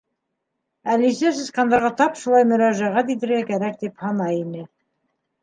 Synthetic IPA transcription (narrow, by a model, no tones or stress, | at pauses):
ælisæsɘ̆sqɑnd̪ɑɾʁɑt̪ɑpʃulˠɑjmɵ̆ɾɑʒæʁæt̪̬iðɘ̆ɾɡækæɾæk̚d̪iphɑnɑjinɘ